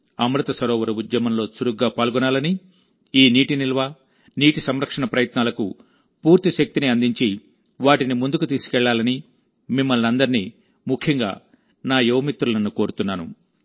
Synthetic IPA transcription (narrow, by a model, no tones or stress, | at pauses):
ɐmɾɐt̪ɐsɐɾɔːʋɐɾuud̪jɐmɐmlo̞ːsuɾuɡːaːpaːlɡɔnaːlɐni | iːniːʈinilʋaː | niːʈisɐmɾɐkʂɐɳɐpɾɐjɐt̪naːlɐku | puːɾt̪iʃɐk̚t̪iniɐnd̪iɲt͡ʃi | ʋaːʈinimund̪ukut̪iːsu̥kɛɭːaːlɐni | mimːɐlnɐnd̪ɐɾiniː | mukʰjɐŋɡa̰ː | naːjɛʋɐmit̪ɾulɐnːukoːɾut̪unːaːnṵ